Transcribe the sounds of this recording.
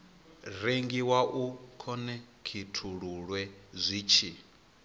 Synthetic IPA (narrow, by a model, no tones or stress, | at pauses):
ɾeŋɡiwaʔukʰɔnɛ | kʰitʰuɺuɺwɛzʷiːt͡ʃʰi